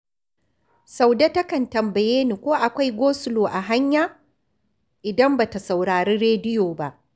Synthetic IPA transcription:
sa˨wdɐ˦tɐ˦kɐ˨ntɐ˨mbɐ˨jeː˦niː˨kʷoː˦ʔa˨kʷa˦jɡʷoː˦sʊ˨loː˨ʔa˨ɦa˦ɲjaː˨ | ʔɪ˨dɐ˦mbaː˨ta˨sa˨wɽaː˨ɾeː˦ɽeː˦dɪ˦joː˨ba˦ʔ

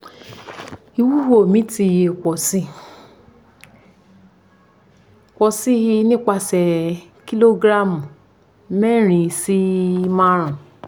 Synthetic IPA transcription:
i˧wu˦ho˨mĩ˦ti˧je˧˨kɔ˨si˦˨ | kʷɔ˨si˦hi˧nĩ˦k͡pa˧sɛ˨ | ki˦lo˦ɡɾa˦˨mũ˨ | mɛ˦ɾ̃ĩ˧si˦mã˦ɾ̃ũ˨

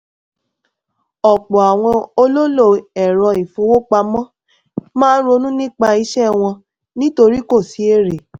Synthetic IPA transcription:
ɔ˨k͡pɔ˨a˨w̃ɔ̃˧o˧lo˦lo˦˨ɛ˨ɾɔ˧i˨fũ˨˧˦wo˦k͡pa˧mɔ̃˦ | mãː˦ɾo˧nũ˦nĩ˦k͡pa˧i˧˦ʃɛ˦˨w̃ɔ̃˧ | nĩ˦to˧ɾi˦ko˦˨si˨˦e˦˨ɾe˨

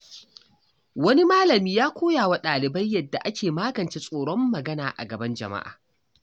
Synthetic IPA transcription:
wɐ˦ni˦maː˦lɐ˨miː˦jaː˦kʷʰoː˦jaː˨wa˦ɗaː˨lɪ˨bɐ˦jːɐ˦dːa˨ʔa˦kʲʰeː˨maː˦ɡɐ˨nt͡ʃeː˦sʼoː˨ɽɔ˦mːɐ˨ɡɐ˦naː˨ʔa̰˨ɡɐ˨bɐ˦nd͡ʒɐ̰˨ma̰˦ʔa̰ː˨

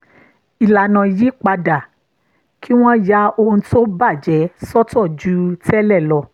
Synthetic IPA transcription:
i˨la˨nã˨ji˨˦k͡pa˧da˨ | kʰi˦w̃ɔ̃˦ja˦o˧ũ˧to˦ba˦˨d͡ʒɛ˨˦sɔ˦tɔ˦˨d͡ʒu˦tɛ˦lɛ˦˨lɔ˧

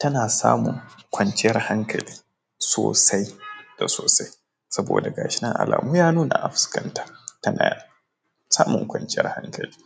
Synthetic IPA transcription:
tɐ˦naː˨sa̰ː˦mʊ˨ŋkʷɐ˦nt͡ʃɪ˦jɐ˦rha˦ŋkʰɐ˨liː˦ | soː˨sa˦jd̥a˨soː˨sa˦j | sɐ˦bo̰ː˨da˨ɡaː˨ʃɪ˦nɐ˦ŋʔa̰˨la̰ː˨muː˦jaː˦nuː˦na̰˨ʔa˨ɸʊ̥˦skɐ˦ntḁ˦tɐ˦naː˨ | saː˦mʊ˨ŋkʷɐ˨nt͡ʃɪ˦jɐ̰˦rha˦ŋkɐ˨liː˦

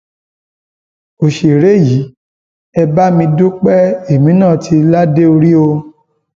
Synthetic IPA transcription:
o˨ʃe˨ɾe˨˦ji˨˦ | ɛ˧ba˦mĩ˧du˦k͡pɛ˦e˨mĩ˨˦nã˦˨tʰi˧la˦de˦o˧ɾi˦o˧

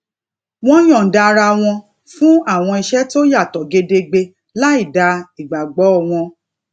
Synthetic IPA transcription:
w̃ɔ̃˦j̃ɔ̃˨n̩˨da˧ɾa˧w̃ɔ̃˧ | fũ˦a˦˨w̃ɔ̃˧i˧ʃɛ˦to˦ja˦˨tɔ˨ɡe˧de˧ɡ͡be˧ | la˦i˦˨da˧i˨ɡ͡ba˨ɡ͡bɔ˨˦ɔ˦˨w̃ɔ̃˧

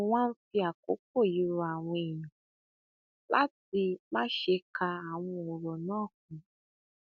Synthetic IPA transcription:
wʷã˦n̩˦fi˦a˨ko˦k̚o˦˨ji˨˦ɾu˨˦a˨wʷe˨jĩ˨ | la˦ti˧mã˦ʃe˧kʰa˧a˨wʊ̃˧o˨ɾo˨nɔ̃ː˦˨k̚ʊ̃˨˧

